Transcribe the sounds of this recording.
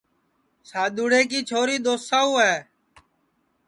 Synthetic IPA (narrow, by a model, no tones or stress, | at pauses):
saːɗ̪uːɽeːk̬iːt͡ʃʰoːɾiːɗ̪oːssaːuːɛː